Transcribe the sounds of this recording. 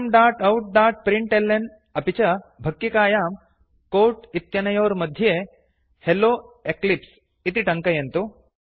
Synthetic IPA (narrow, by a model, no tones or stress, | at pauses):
mɖaːɾʈɐwʈ̚d̪aːɾʈ̚pɾiɳʈelːen | ɐpit͡ʃɐbʱɐkːikaːjaːm | koːɾʈit̪jɐnɐjoːɾmɐd̪ʱjeː | heloːeklips | it̪iʈɐŋkɐjɐnt̪u